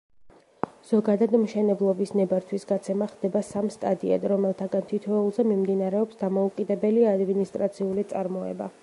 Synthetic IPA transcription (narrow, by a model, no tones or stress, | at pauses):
z̥ɔɡad̪ad̪mʃɛnɛblˠɔbisnɛbaɾt̪ʰwisɡat̪sʰɛmaχd̪ɛbasamst̪ʼad̪ia̰d̪ɾɔmɛlˠt̪ʰaɡant̪ʰit̪ʰɔɛulˠzɛmimd̪inaɾɛɔpsd̪amɔukʼid̪ɛbɛliad̪minist̪ʼɾat̪sʰiulit̪sʼaɾmɔɛ̰ba̰